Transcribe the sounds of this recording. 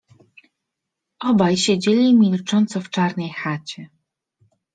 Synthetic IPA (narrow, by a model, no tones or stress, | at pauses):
ʔɔbajɕed͡ʑelʲimʲilt͡ʂɔnt̪sɔft͡ʂaɾnɛjxat͡ɕɛ